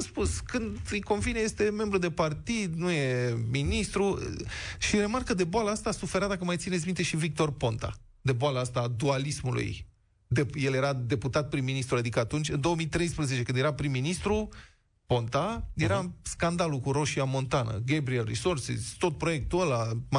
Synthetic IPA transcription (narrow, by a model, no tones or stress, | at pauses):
aspuskɨnd̪ɨjko̞nvineje̞st̪e̞me̞mbɾud̪epart̪id̪nuje̞minist̪ɾṵ | ʃiɾe̞markəd̪e̞boaləast̪asufe̞ɾad̪akəmajt̪sinesmint̪e̞ʃivik̚t̪o̞rpo̞nt̪a̰ | d̪e̞boaləast̪aːd̪ualismulṵj | d̪ejelje̞ɾad̪e̞put̪at̪̚pɾimːinist̪ɾuad̪ikəat̪unt͡ʃʲɨnd̪o̞wəmijt̪ɾe̞jspɾəze̞t͡ʃekɨnjeɾapɾimːinist̪ɾu | po̞nt̪ajeɾaskand̪alukuɾo̞ʃiamo̞nt̪anə̰ɡebɾielrḭsorsḭst̪o̞t̪̚pɾo̞je̞k̚t̪uəlam